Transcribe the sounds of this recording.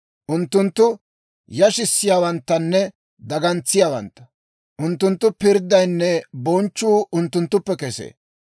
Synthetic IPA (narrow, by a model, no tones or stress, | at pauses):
ʔʊnt̪ːʊnt̪ːʊ | jɐʃɪsːɪjaːwɐnt̪ːɐnːɛ | d̪ɐɡɐnt͡sːɪjaːwɐ̰nt̪ːɐ̥ | ʔʊnt̪ːʊnt̪ːʊpɪɾd̪ɐjnːɛbɔnt͡ʃːuːʔʊnt̪ːʊnt̪ːʊpːɛkɛsḛː